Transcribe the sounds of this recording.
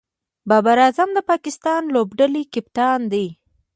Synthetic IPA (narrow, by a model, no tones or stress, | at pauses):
bɑbaɾɑzamd̪əpɑkɪst̪ɑnlobɖalikɪpt̪ɑnd̪ej